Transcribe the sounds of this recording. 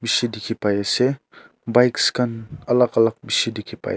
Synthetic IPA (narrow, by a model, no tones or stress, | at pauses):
biʃid̪ikʲʰipajese | bajkskanalaqɑlaq̚biʃid̪ikʲʰipa̰j